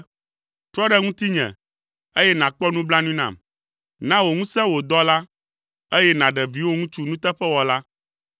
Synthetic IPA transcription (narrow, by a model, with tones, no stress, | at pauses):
t̪ɾɔ˦ɖɛ˦ŋũ˦t̪i˦ɲɛ̰̃˨ | e˦jɛ˦nã˨k͡pɔ˦nũ˦blã˦nũ˦nã̰˨m | nã˦wo˨ŋũ˦sɛ̃˦wo˨d̪ɔ˦la˦ | e˦jɛ˦nã˨ɖɛ˨vi˨˦wo˦ŋũ˦t͡ʃu˦nũ˦t̪ɛ˦ɸɛ˦wɔ˨la˦